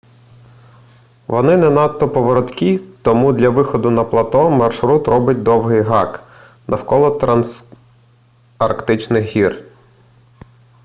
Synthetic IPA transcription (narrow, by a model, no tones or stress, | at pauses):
ʋɔnɪnɛnɑt̪ːɔpɔʋɔɾɔt̪kʲit̪ɔmud̪lʲɐʋɪxɔd̪ʊnɐplˠɐt̪ɔmɐrʃɾut̪ɾɔbɪt̚ʲd̪ɔwɦɪjɦɑk | nʔɐ̰wkɔlˠɔt̪ɾɐns | ɐrkt̪ɪt͡ʃnɪxɦir